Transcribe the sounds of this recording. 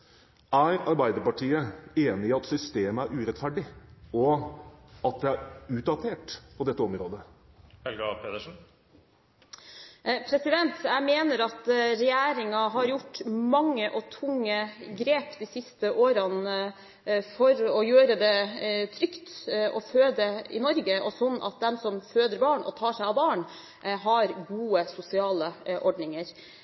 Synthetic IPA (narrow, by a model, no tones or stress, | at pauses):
æɾɑɾbæɪd̪əɾpɑʈʰiːəeːnɪɪɑt̪sʏst̪eːməæɾʔʉːɾɛt̪fæɖɪɔ | ɑt̪̚d̪ɛæɾʉːt̪̚d̪ɑt̪ʰeːʈpʰɔd̪ɛt̪ːəɔmɾoːd̪ə | hɛlɡɑpʰeːd̪əʂn̩ | pʰɾɛsɪd̪ɛnt̪jæɪmeːnəɾɑt̪ɾɛjæːɾɪŋɑɦɑɾjʊʈːmɑŋːəʔɔt̪ʰʊŋːəɡɾeːpd̪isɪst̪əʔoːɾən | fɔɾɔjøːɾəd̪ɛt̪ʰɾʏkt̪ʔɔføːd̪əɪ̰nɔɾɡəʔɔsɔnːʔɑ̰t̪̚d̪ɛmsɔmføːd̪əɾbɑːɳɔ̰t̪ʰɑːʂæɪɑʋbɑːɳ | ɦɑɾɡuːəsʊsɪɑːləʔɔɖɳɪŋəɾ